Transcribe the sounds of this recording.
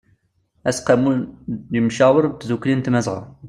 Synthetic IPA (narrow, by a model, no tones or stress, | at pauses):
æsqamujimʃawəɾˤt̪zukːlint̪mæzʁə̰